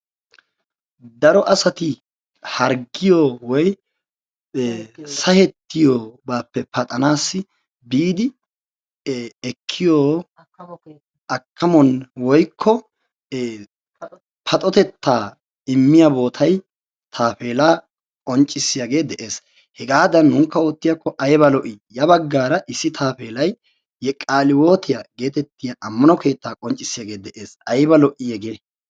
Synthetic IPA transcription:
d̪ɐɾɔʔɐsɐt̪ɪ | hɐɾɡɪjoːwɔj | sɐhɛt̪ːɪjoːbaːpːɛpɐt̪ʼɐnaːsːɪ | biːd̪ɪ | ɛkʰːɪjoː | ʔɐkːɐmɔnwɔjkʰːɔ | pʰɐt̪ʼɔt̪ɛt̪ːaː | ɪmːɪjɐbo̞ːt̪ʰɐj | t̪ʰaːfe̞ːlaː | kʼɔnt͡ʃʼːɪsːɪjɐɡe̞ːd̪ɛʔe̞ːs | hɛɡaːd̪ɐnːʊŋkːɐot̪ːɪjakːɔʔɐjbɐlɔʔɪjɐbɐɡːaːɾɐʔɪsːɪt̪ʰaːfe̞ːlɐjː | ɛkʼaːlɪwo̞ːt̪ʰɪjɐɡe̞ːt̪ɛt̪ːɪjɐʔɐmːɐnɔke̞ːt̪ːaːkʼɔnt͡ʃʼːɪsːɪjaɡe̞ːd̪ɛʔe̞ːsɐjbɐlɔʔɪjɛɡeː

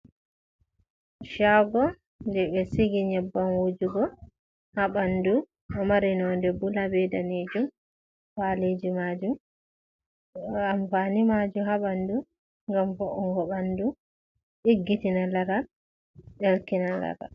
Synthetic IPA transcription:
ʃaɡɔ | ndɛbɛsiɡiɲɛbːanwod͡ʒuɡɔ | haɓandu | ɔmaɾinɔndɛbulabɛdaned͡ʒum | faled͡ʒimad͡ʒum | amfanimad͡ʒuhaɓandu | ŋɡamfɔʔɔŋɡɔɓandu | ɗiɡːitinalaɾa | ɓɛlkinala̰ɾa̰

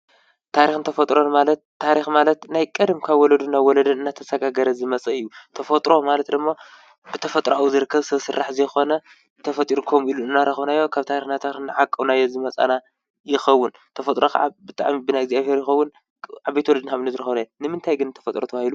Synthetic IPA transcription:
t̪ʰaɾixnt̪ʰɐfɐt̪ʼɾo̞nmalɐt̪ʰːaɾixmalɐt̪najkʼɐd̪mkʰaβwɔlɐd̪unawɔlɐd̪ɨnɨnːat̪ʰɐsɐɡaɡɐɾɐzɨmɐt͡sʼɐɨjːut̪ʰɐfɐt̪ʼɾo̞malɐt̪d̪ɨmːa | bɨt̪ʰɐfɐt̪ʼɾoawuzɨɾɨkʰːɐβsɐβsɨrːaħzɐjxo̞nɐ | t̪ʰɐfɐt̪ʼiɾukʰomiluɨnːaɾɐxɐβnajːo̞kʰaβt̪ʰaɾixnat̪ʰaɾixnaʕakʼːɐwnajozɨmɐt͡sʼa̰na | jɪxɐwːʊn | t̪ʰɐfɐt̪ʼɾokʰɐ̰ʕa̰bɨt̪ʼa̰ʕmibɨnajɪɡzijaβhe̞ɾjɪxɐwːʊn | ʕaβejt̪wɔlɐd̪ɨnaβnɨzɨɾɐxɐβnajonɨmɨnt̪ʰajɡɨnːɨt̪ʰɐfɐt̪ʼɾot̪ʰɐβahilu

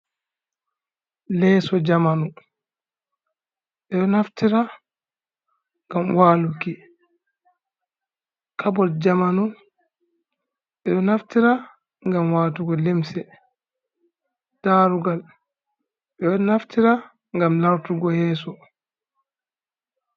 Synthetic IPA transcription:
lɛːsɔd͡ʒamanu | ɓɛɗɔnaftiɾa | ŋɡamwaːluki | kʰabɔtd͡ʒamanu | ɓɛɗɔnaftiɾa | ŋɡamwaːtuɡɔlemsɛ | d̥aːɾuɡal | ɓɛɗɔnaftiɾa | ŋɡamlaɾtuɡɔjɛːsɔ

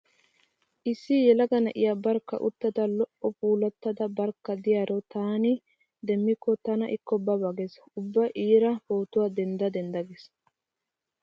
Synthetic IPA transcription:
ʔɪsːijɛlɐɡɐnɐʔɪjabɐɾkːɐ̰ʔʊt̪ːɐd̪ɐlɔʔɔpuːlɐt̪ːɐd̪ɐbɐɾkːɐd̪ɪjaːɾʔɔt̪aːnɪ | d̪ɛmːɪkːɔt̪ɐnɐʔɪkːɔbɐbɐɡɛs | ʊbːɐʔiːɾɐpoːt̪ʊwaːd̪ɛnd̪ɐd̪ɛnd̪ɐɡɛs

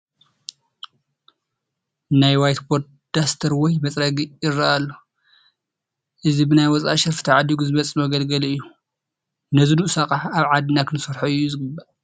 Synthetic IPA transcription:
najwajt̪bod̪̚ | d̪̥ast̪ʰɐɾwɔjmɐt͡sʼɾɐɡiɪrːaalːo | ʔɨzibɨnajwɔt͡sʼa̰ʃɪɾfɨ̥t̪ʰaʕad̪iɡuzɨβɐt͡sʼːimɐɡɐlɡɐlɨjːu | nɐziduʔsakʼaħaβʕad̪ɨnakʰɨnɨsɐɾħoɨjːuzɨɡɨbːaʔ

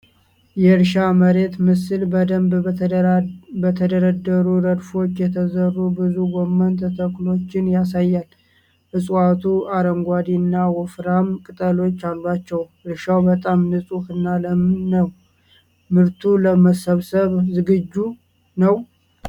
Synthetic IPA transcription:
jɛɾʃaməɾe̞t̪mɨsɨlbəd̪əmb | bət̪ʰəd̪əɾəd̪ːəɾuɾəd̪fo̞t͡ʃːjɛt̪ʰəzərːubɨzuɡomːənt̪ʰət̪ʰəkʼlo̞t͡ʃːɪnjas̬ajːal | ʔɨsʼat̪ʰuaɾəmɡʷad̪inːawɔfɾamkʼɨt̪ʼəlo̞t͡ʃːalːat͡ʃːɛwɨɾʃawbət̪ʼamnɨsʼufɨnːaləmɨnːəw | mɨɾt̪ʰuləməsəβsəβzɨɡɨd͡ʒːu | nəw

